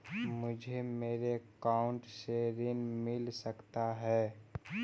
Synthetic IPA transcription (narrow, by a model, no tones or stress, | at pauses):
mʊd͡ʒʱemeːɾekaʊ̃ɳʈseɾɪnmɪlsəkt̪aɦɛː